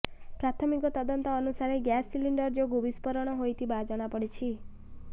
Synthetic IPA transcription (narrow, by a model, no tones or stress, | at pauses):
pɾat̪ʰɔmikot̪əd̪ɔnt̪ɔːnusaɾeɡasːiliɳɖəɾd͡ʒoɡobispəɾɔɽ̃ɔɦojt̪ibad͡ʒaɽ̃apəɽit͡ʃʰi